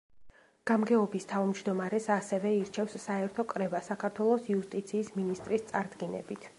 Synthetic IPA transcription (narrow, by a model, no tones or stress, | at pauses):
ɡ̥amɡɛɔbist̪ʰavmd͡ʒd̪ɔmaɾɛsasɛvɛiɾt͡ʃʰɛfsːaɛɾt̪ʰɔkʼɾɛvasakʰaɾt̪ʰwɛlˠɔsiust̪ʼit̪sʰiːsminist̪ʼɾist̪sʼaɾd̪ɡinɛ̰bit̪ʰ